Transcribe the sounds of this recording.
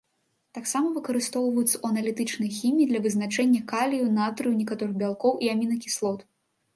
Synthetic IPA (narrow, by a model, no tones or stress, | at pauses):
t̪aksamɐvɨkɐɾɨst̪ɔwvɐjut̪sɐʔuɐnɐlʲit̪ɨt͡ʂnɐjɐxʲimʲiːd̪lʲɐvɨznat͡ʂɛnʲːɐkalʲijunat̪ɾɨjunʲikat̪ɔɾɨɣbʲalˠkɔwʔiamʲinɐkʲi̥slˠɔt̪